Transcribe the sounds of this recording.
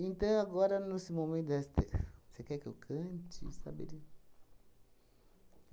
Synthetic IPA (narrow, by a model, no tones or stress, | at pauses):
ẽnt̪ɐ̃w̃aɡɔɾɐnesɪmomẽnt̪d̪ɛst̪esekɛkɪḛwkʰɐ̃t͡ʃɪsa̰bḛdi